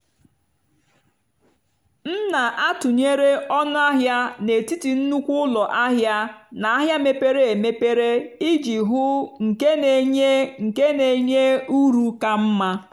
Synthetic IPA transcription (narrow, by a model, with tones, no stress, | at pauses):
n̩˦na˨ʔa˦tʊ˨ɲe˦ɾe˦ɔ˦nʊ˦a˦ɦja˦ne˨ti˦ti˨n̩˦nu˦kʷʊ˦ʊ˦lɔ˨ʔa˦ɦja˦na˨a˦ɦja˦me˦pe˦ɾe˨e˨me˦pe˦ɾe˦i˦d͡ʒi˨ɦʊ˦ŋ̩˨ke˦ne˨ɲe˦ŋ̩˨ke˦ne˨ɲe˦u˦ɾu˨ka˦m̩˦ma˦